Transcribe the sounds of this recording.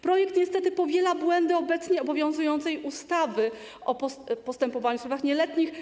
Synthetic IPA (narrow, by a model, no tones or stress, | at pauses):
pɾɔjɛk̚t̪ɲɛst̪ɛt̪ɘpɔvʲjɛlabwɛnd̪ɘɔbɛt̪sɲɛɔbɔvʲjɔ̃w̃zujɔnt̪sɛjust̪avɘ | ʔɔpɔpɔst̪ɛmpɔvaɲuswɔvaxɲɛlɛt̪ɲix